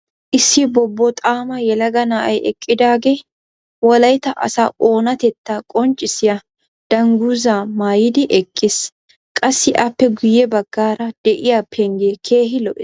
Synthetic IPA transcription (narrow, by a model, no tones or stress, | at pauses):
ʔɪsːɪbɔbːɔt̪ʼaːmɐjɛlɐɡɐnaːʔɐjʔɛkʼːɪd̪aːɡe | wɔlɐjt̪ɐʔɐ̰saʔoːnɐt̪ɛt̪ːakʼɔnt͡ʃʼːɪsɪjɐ | d̪̥ɐŋɡuːzaːmaːjɪd̪ɪʔɛkʼːɪs | kʼɐsːɪʔɐpːɛɡʊjɛbɐɡ̥ːaːɾɐd̪̥ɛʔɪjɐpʰːɛŋɡeːkʰe̞ːɦɪlɔʔɪ